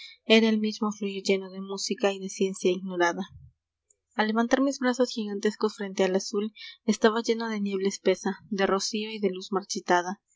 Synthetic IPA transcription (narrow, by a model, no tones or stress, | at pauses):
e̞ɾae̞lmizmo̞fluʝoʝe̞no̞ðe̞musikaiðe̞sje̞nsjaiɣno̞ɾaða | alːe̞βant̪aɾmizβɾaso̞sxiɣant̪e̞sko̞sfɾe̞nt̪ealasulest̪aβaʝe̞no̞ðe̞nje̞βlespe̞saðe̞ro̞sio̞iðe̞luzmaɾt͡ʃit̪að̞a